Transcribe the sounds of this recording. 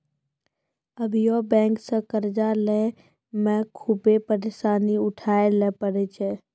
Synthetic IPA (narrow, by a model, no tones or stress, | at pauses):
əbʱjoːbɛ̃ːŋksə̃kəɾd͡ʒalɛ | mɛ̃kʰubepəɾeʃaːniʊʈʰaːelɛːpəɾet͡ʃe